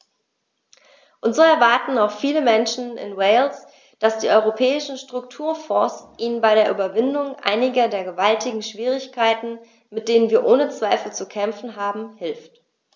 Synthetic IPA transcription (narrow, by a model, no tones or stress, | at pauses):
ʔʊntz̥oːɛɐvaɐtn̩aʊxfiːləmɛnʃn̩ɪ̰nweɪls | d̥asd̥iːʔɔʏʁ̞opʰɛːɪʃn̩ʃtʁ̥ʊk̚tʰuːɐfɔ̃ːsʔiːnənbaɪɾeːɐʔyːbɐvɪndʊŋʔa̰ɪnɪɡɐdeːɐɡəvaltʰɪɡŋ̩ʃv̥iːʁ̞ɪçkʰaɪtn̩ | mɪt̚d̥eːnənviːɐʔoːnət͡sv̥aɪfl̩t͡sukʰɛmfn̩ɦaːbm̩hɪlft